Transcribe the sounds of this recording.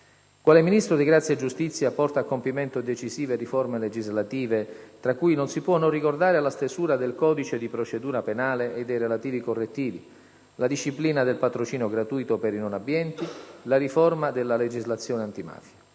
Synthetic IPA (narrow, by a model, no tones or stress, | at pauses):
kwaːleminist̪ɾod̪iɡɾat̪sːjaed͡ʒːust̪it̪sːjapɔrt̪aːkːompiment̪od̪et͡ʃiziːveriformeled͡ʒizlat̪iːvet̪ɾakːujnonsipwɔnorːikord̪aːɾealast̪ezuːɾad̪elkɔːd̪it͡ʃed̪ipɾot͡ʃed̪uːɾapenaːleʔed̪ːejrelat̪iːvikorːet̪ːiːvi | lad̪iʃːipliːnad̪elpat̪ɾot͡ʃiːnoɡɾat̪ujt̪opeɾinonabːjɛnt̪ilariformad̪elːaled͡ʒizlat̪sːjoːneant̪ima̰ːfja